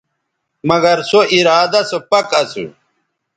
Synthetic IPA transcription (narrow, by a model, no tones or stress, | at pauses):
mɐɡɐɾsoʔiɾaːd̪ɐsopɐkɐsṵ